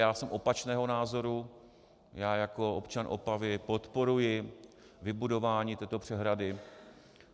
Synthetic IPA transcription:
jaːsɛmʔo̞pat͡ʃnɛːɦo̞naːzo̞ɾu | jaːjako̞opt͡ʃanʔo̞̰pavɪpo̞t̪po̞ɾujɪ | vɪbudo̞vaːɲiːt̪ɛːt̪o̞pr̝̥ɛɦɾadɪ

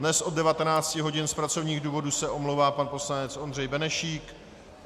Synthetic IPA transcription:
dnɛsʔo̞ddɛvat̪ɛnaːt͡scɪɦo̞ɟɪnspɾat͡so̞vɲiːɣduːvo̞dusɛʔo̞mlowvaːpanpo̞slanɛt͡sʔo̞nd̪r̝ɛjbɛnɛʃiːk

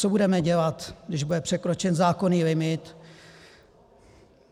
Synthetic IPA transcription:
obudɛmɛɟɛlat̪ɡdɪʒbudɛpr̥ɛkɾo̞t͡ʃɛnzaːko̞niːlɪmɪt̪

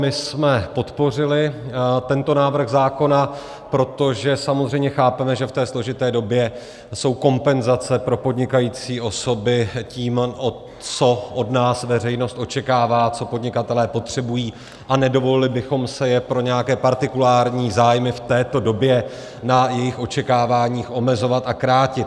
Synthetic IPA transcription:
mɪsmɛpo̞t̪po̞r̝ɪlɪt̪ɛnt̪o̞naːvr̩ɣzaːko̞na | pɾo̞t̪o̞ʒɛsamozr̝ɛjmɲɛxaːpɛmɛʒɛft̪ɛːslo̞ʒɪt̪ɛːdo̞bjɛ | so̞wko̞mpɛnzat͡sɛpɾo̞po̞dɲɪkajiːt͡siːʔo̞so̞bɪciːmʔo | t͡so̞ʔodnaːsvɛr̝ɛjno̞st̪ʔo̞t͡ʃɛkaːvaːt͡so̞po̞dɲɪkat̪ɛlɛːpo̞t̪r̝̥ɛbujiː | ʔanɛdo̞vo̞lɪlɪbɪxo̞msɛjɛpɾo̞ɲɛjakɛːpaɾt̪ɪkulaːɾɲiːzaːjmɪft̪ɛːt̪o̞do̞bjɛ | najɛjɪxʔo̞t͡ʃɛkaːvaːɲiːxʔo̞mɛzo̞vat̪akɾaːcɪt̪

